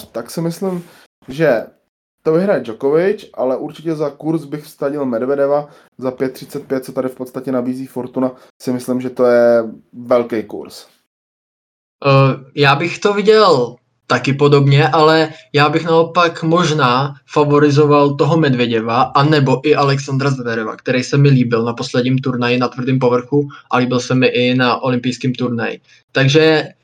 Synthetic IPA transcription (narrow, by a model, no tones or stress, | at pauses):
t̪aksɪmɪslɪm | ʒɛ | t̪ovɪɦɾajd͡ʒokovɪt͡ʃʔalɛʔuɾt͡ʃɪcɛzakuɾsbɪxfst̪aɟɪlmɛdvɛdɛva | zapjɛt̪ːr̝̥ɪ̥t͡sɛt̪̚pjɛt̪̚t͡sɛt̪adɪfpot̪st̪acɛnabiːziːfoɾt̪una | sɪmɪslɪmʒɛt̪ojɛvɛlkɛjkṵɾs | jaːbɪxt̪ovɪɟɛl | t̪akɪpo̞do̞bɲɛʔalɛjaːbɪxnao̞pakmo̞ʒnaːfavo̞ɾɪzo̞valt̪o̞ɦomɛdvjɛɟɛvaʔanɛbo̞ʔɪʔalɛksand̪ɾazvɛɾova̰kt̪ɛɾɛjsɛmɪliːbɪlnapo̞slɛdɲiːmt̪uɾnajɪnat̪vr̩diːmp̬o̞vr̩xuʔaliːbɪlsɛmɪʔɪnaʔo̞lɪmpɪjskiːmt̪uɾnajɪ̰ | t̪aɡʒɛ